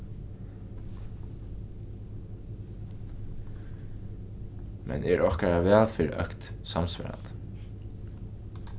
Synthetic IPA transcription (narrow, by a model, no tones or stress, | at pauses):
mʔɛ̰nɛɹʔɔhkaɹaʋɛːlfɪːɾʔœ̰hkt̪samsvɛ̰ɾa̰nt̪